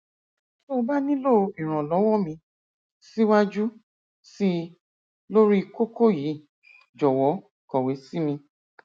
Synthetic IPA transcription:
so˦˧ba˦nĩ˦lo˦˧i˨ɾ̃ɔ̃˨lɔ˨˦wɔ˦mĩ˧ | si˦wa˦d͡ʒu˦ | si˦ | lo˦ɾi˦˧ko˦ko˦ji˨˦ | d͡ʒɔ˨wɔ˨˦ | kɔ˨we˨˦si˦mĩ˧

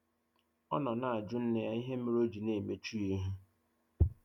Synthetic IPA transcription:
ɔ̰˦nɔ˨na˨a˨d͡ʒʊ˦n̩˦ne˦ja˦i˦ɦe˦mi˦ɾo˦d͡ʒi˨ne˨me˨t͡ʃu˦i˦ɦu˦

